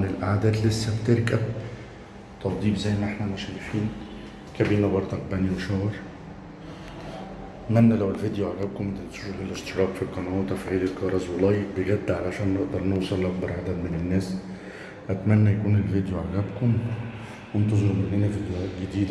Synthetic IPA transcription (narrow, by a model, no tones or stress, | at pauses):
nelʔaʕad̪æːt̪lesːæbt̪eɾkæb̚ | t̪ˤɑb̪ˤiːbzæjːʔenːʔeħnæmæʃæjefiːn | kæbiːnæbɑɾˤd̪ˤɑk̚bæniweʃæwɑɾˤ | mænːælæwelvid̪joʕaɡæːb̚komæt̪ensuɾeɣelʔeʃt̪eɾˤɑːqfiqːɑnæːwet̪æfʕiːlelkɑɾˤɑzwelɑjːek̚beɡæd̪ːʕalæʕʃæːnːeʔd̪ɑɾˤnowsˤɑlʔɑɡ̚bɑɾˤʕad̪æd̪menenːæːs | ʔæt̪mænːæjækuːnelvid̪joʕaɡæːbkom | went̪ɑzˤeɾumʔenːenæfid̪jæːʔɡed̪iːd̪